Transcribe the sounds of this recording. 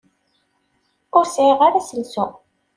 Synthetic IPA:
ʊɾsiʁaɾæsəlsʊ

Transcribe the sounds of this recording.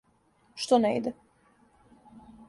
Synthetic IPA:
ʃt̪onɛḭd̪ɛ

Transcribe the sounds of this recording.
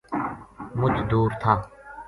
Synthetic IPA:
mʊt͡ʃd̪uːɾt̪ʰaː

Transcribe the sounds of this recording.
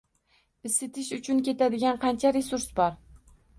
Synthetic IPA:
ɪsɪt̪ʰɪʃʊt͡ʃʰʊnkʲe̞t̪ʰad̪ɪɡʲanqʰɑnt͡ʃʰaɾesʊɾsbɒɾ

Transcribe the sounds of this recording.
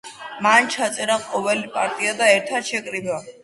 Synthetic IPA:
mant͡ʃʰat̪sʼɛɾaqʼɔvɛlipʼaɾt̪ʼiad̪aɛɾt̪ʰad̪ʃɛkʼɾiba

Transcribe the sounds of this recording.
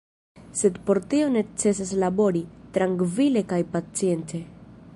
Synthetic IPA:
se̞dpo̞ɾtio̞ne̞t͡se̞s̬as̬labo̞ɾitɾaŋkvile̞kajpat͡sie̞nte̞

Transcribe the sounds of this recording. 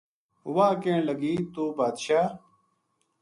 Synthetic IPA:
waːkẽːɳlɐɡiːt̪oːbaːd̪ʃaː

